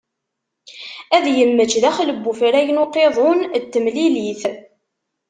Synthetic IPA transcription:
æðjəmːət͡ʃːðæχləbːufɾæjənoqeðˤont̪ːəmliliθ

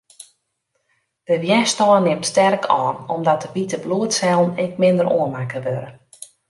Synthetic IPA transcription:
d̥əʋjɛstɔːnːɪmtstɛrkʰɔːnɔmdɔt̚dəʋitəbluətsɛlˠnɛkmɪndəɾo̰ənmakəʋøɾə

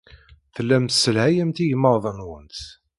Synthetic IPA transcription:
θəlːæmsːəlhæjæmt̪ijəmːəɾˤðˤənwənt̪

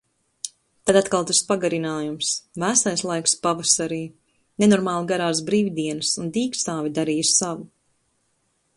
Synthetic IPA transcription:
t̪ad̪at̪kalˠt̪uspaɡaɾinaːjumsvæsajslˠajkspavasaɾiː | nenɔɾmaːlˠɡaɾaːs̬bɾiːvd̪iɛnɨsund̪iːkst̪aːvʲid̪aɾiːjusːavu

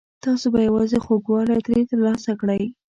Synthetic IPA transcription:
t̪ɑsobajawɑzexoɡwɑlajt̪ɾet̪əɾlɑsakɽəj

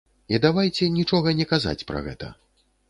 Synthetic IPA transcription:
id̪avajt͡sʲɛnʲit͡ʂɔɣɐnʲɛkaza̰t͡sʲpɾɐ̰ɣɛ̰t̪ɐ̰

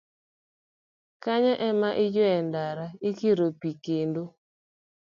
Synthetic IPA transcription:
kaɲaʔɛmaʔɪd͡ʒwɛndaɾaikiɾopikendo

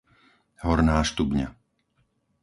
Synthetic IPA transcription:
ɦɔɾnaːʃt̪ubɲa̰

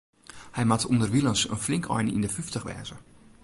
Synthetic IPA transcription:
hɛjmatʰundərʋilˠənsə̰nflɪŋkʰɔ̰jnḭndəfyftəxʋɛ̰ːzə

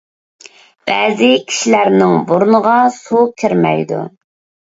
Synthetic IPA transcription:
b̥æ̰ːzɪkʲʰi̥ʃilæɾnɪŋboɾunəʁɑsukʲʰɪɾmɛ̰jd̪ṵ

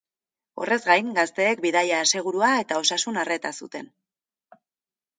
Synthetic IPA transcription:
o̞̰re̞zɡajŋɡast̪e̞ːkbiðaʎase̞ɣ̞uɾuae̞t̪ao̞sasunare̞t̪asut̪e̞n

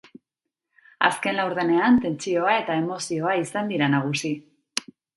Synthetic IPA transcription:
a̰ske̞nlawɾðe̞ne̞ant̪e̞nt͡sio̞ae̞t̪ae̞mo̞sio̞aisand̪iɾanaɣ̞usi

